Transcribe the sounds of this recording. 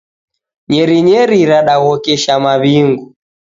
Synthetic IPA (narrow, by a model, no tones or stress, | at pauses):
ɲɛɾiɲɛɾiɾaɗaɣɔkɛʃamaβiŋɡu